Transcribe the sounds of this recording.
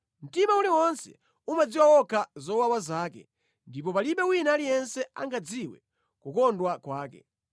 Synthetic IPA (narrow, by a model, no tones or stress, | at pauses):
m̩timauliwɔnsɛ̰ | umad͡ziwawɔkʰazɔwawazaːkɛ̰ | ndip̬ɔpaliɓɛwinaːlijɛnsɛaŋɡad͡ziwɛ̰ | kukɔndwakwaːkɛ̰